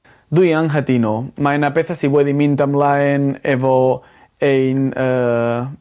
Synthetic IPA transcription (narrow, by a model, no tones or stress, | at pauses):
d̪ujaŋɦat̪inomaenapeθasiβweðimĩnt̪amlaenevo | ejna